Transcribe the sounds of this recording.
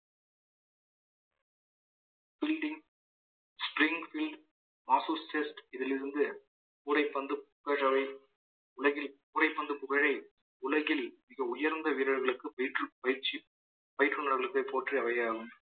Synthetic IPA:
b̥ɪlɖɪŋ | spɾɪŋɡfɪlɖ | maːsuːsʈɛsʈɪðɪlɪɾɯnd̪ɯ | puːɾɐɪpːɐnd̪ɯpʊkɐɻɐʋɐɪ | ʊɭɐɣɪlpuːɾɐɪpːɐnd̪ɯpʊɣɐɻɐɪ | ʊɭɐɣɪlmɪɣɐʊjɐɾnd̪ɐʋiːɾɐɻɣɐɭɯkːɯpɐjɪʈrɯpɐjɪɾt͡ʃːi | pɐjɪʈrɯnɐɾɣɐɭɯkːɐɪpːoːʈriɐʋɐjaːɣɯm

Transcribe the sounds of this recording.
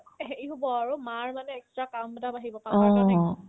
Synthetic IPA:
ɦeɹiɦubɔaɹumaɹmanɛːkstɹakambɔdabaɦibɔpaɔ̃a

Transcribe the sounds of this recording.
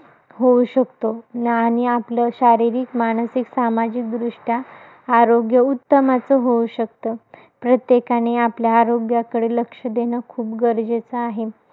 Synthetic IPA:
ɦouɕəkt̪oaɽ̃iapləɕaɾiɾiːkmaɽ̃əsiksamad͡ʑik̚d̪ɾuʂʈjaː | ɾoɡjəut̪ːəmat͡səɦouɕək̚t̪ə | pɾət̪jekaneapljaːɾoɡjakəɽeləkʂəd̪eñəkʰuːpɡəɾd͡ʑet͡səaɦe

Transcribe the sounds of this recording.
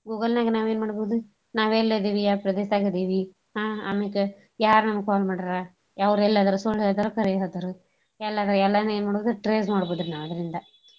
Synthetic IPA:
ɡuːɡɐlnaːɡinaːʋe̞ːnmaːɽboːd̪u | naːʋeːlːeːd̪iːʋijaːɾpɾɐd̪eːsaːɡid̪iːʋi | ɦaːɐmikːe | jaːɾnɐmɐkːkɔːlmaːɽɐɾa | ɐʋɐɾɛlːaːd̪ɐɾusulːelɐd̪ɐɾukɐɾɛjɦɐd̪ɐɾu | ɛlːaːd̪ɐɾɛlːɐd̪nɐeːnmaːɽoːd̪uɾʈɾeːsmaːɽboːd̪ɐɾinaːʋɐd̪ɐɾind̪ɐ

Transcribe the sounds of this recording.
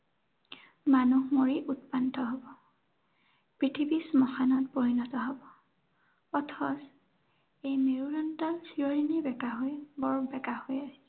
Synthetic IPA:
manuhmoɹiʔutpantɔɦobɔ | pɹitʰibismɔxanɔt̚poɹinɔtɔɦɔbɔ | ɔtʰɔs | ejmeɹuɹɔntɔlsiɹoɹinibɛkaɦojbɔɹbɛkahojasi

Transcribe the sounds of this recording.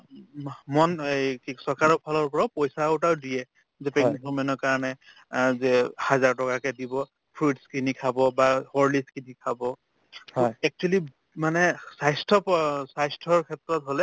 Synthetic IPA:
mɔnejkisɔɹkaɹɔpʰalɔɹpɔɹapojsaʊtawdijɛ | zɛpɛknikɔmɛnɔkaɹɔnɛ | zɛhazaɹtɔkakɛdibɔ | pʰɹutskinikʰabɔbahɔɹliskinikʰabɔ | ɛk̚t͡ʃuɛli | manɛsajstʰɔpsajstʰɔɹkʰɛtɹɔtɦolɛ

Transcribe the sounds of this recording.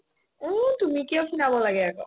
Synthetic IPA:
t̪umikewkʰinabɔlaɡɛakɔ̰

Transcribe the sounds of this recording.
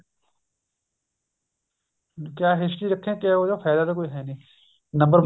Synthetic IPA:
kjaːɦɪsʈiɾɐkʰːẽkeod͡ʒofʰɛːd̪ad̪akoːiɦɛnĩː | nɐ̃mbəɾm

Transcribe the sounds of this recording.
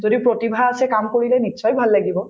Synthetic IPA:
zodipɹotibʱaasɛkamkoɹilɛmisʰɔjbʱalːaɡibɔ

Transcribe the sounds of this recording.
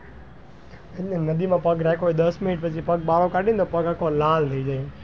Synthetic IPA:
eenəd̪imãːpəɡɾɛkʰoid̪əsmɪnɪʈ̚pət͡ʃʰipəɡ̚ɓalokaːɗĩnt̪opəɡəkolaːlt̪ʰəid͡ʒai

